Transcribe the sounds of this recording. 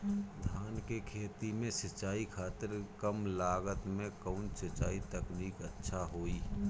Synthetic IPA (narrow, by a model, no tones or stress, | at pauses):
d̪ʱaːnkekʰeːt̪imẽsɐt͡ʃaːikʰaːt̪ɪɾkəmlaːɡət̪mẽkəʊnsət͡ʃaːit̪əkniːkətːʃʰaɦoːiː